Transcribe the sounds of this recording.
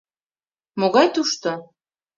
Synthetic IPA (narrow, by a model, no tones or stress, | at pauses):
moɣɑjt̪uʃt̪o